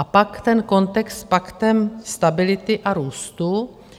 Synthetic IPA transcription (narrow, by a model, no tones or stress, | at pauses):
apakt̪ɛnko̞nt̪ɛkst̪pakt̪ɛmst̪abɪlɪt̪ɪʔaɾuːst̪u